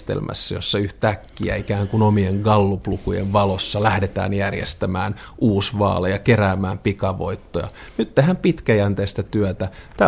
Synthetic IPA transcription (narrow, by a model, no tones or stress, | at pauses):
t̪ḛlmʔæ̰sːæjo̰sːɑyht̪ækːiæ̰ikæːŋkunomieŋɡɑlːuplukujḛʋʋɑlosːɑlæhdet̪æ̰ːnjærjḛst̪æmæːnʔuːsʋɑ̰ːlejɑkeræːmæːmpikɑʋo̞̰it̪ːojɑ̰ | nyt̪t̪ehæmpit̪kæjænt̪eːst̪æt̪yæt̪æt̪æ